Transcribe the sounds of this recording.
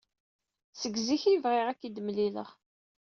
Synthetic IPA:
səɡziçivʁɪʁækːid̪mlilə̰ʁ

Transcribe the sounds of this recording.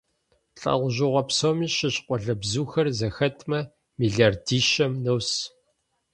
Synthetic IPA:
ɬʼɐ̰ʁʷʊʑɪʁʷɔpsomiːʃɪɕqʷɔɮɐbzuːxɐrzɐxɐtʰmɐ | miːɮardiːʃɐmnɐws

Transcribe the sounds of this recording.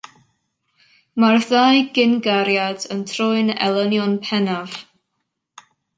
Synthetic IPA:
marðajɡɪnɡaɾjadəntʰrʊɨnɛ̰lˠənjɔnpʰɛnav̥

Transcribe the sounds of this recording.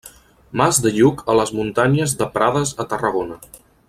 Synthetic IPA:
mazðəʎukʰələzmunt̪aɲəzðəpɾaðəzət̪ərəɣ̞onə

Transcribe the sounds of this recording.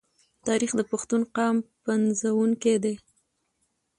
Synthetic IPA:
t̪ɑɾixd̪əpaxt̪unqɑmpanzawuŋked̪e

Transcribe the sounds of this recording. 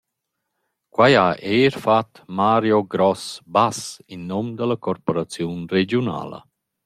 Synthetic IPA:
kwajaʔeːɾfat̪maːɾjoɡɾɔsbasinːɔmd̪əlakɔɾpoɾat͡sjunred͡ʒjuna̰ːlə̰

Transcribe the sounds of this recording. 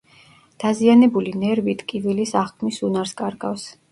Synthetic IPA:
d̪̥azianɛbulinɛɾvit̪ʰkʼivilisaχkʰmisunaɾskʼaɾɡafs

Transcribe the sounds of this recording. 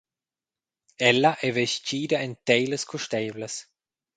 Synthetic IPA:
ɛlːɐʔɛveʃtiːd̪ɐent̪ɛjləskʰuʃt̪ɛːvləs

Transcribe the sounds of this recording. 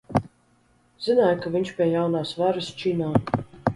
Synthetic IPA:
zɨnaːjkavʲiɲʲʃpʲiɛjawnaːsvaɾɨst͡ʃinaː

